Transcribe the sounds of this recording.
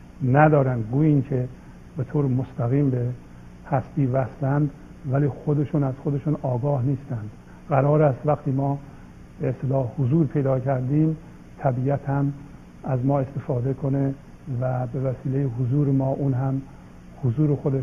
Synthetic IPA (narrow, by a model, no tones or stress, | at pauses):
næd̪ɒːɾænd̪ɡuːjiːnkʰe | be̞t̪ʰoːɾemost̪ʰæɣiːmbe | hæsb̪iːvæst̪ænd̪ | væliːxod̪e̞ʃuːnæz̥xod̪eʃuːnɒːɡɒːhniːst̪ænd̪̥ | ɡæɾɒːɾæst̪væxt̪ʰiːmɒː | b̥eːst̪elɒːhhozuːɾpʰe̞jd̪ɒːkʰæɾd̪iːm | t̪ʰæbiæt̪hæm | æzmɒːe̞st̪e̞fɑːd̪ekʰo̞ne | væbe̞væsiːlejeɦozuːɾemɒːʔuːnɦæm | hozuːɾexod̪e